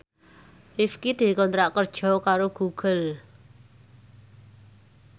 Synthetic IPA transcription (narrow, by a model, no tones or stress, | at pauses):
rifkid̪̥i̤kɔnt̪ɾaʔkərd̥ʒ̥ɔ̤kaɾoɡ̥uɡ̥ə̤l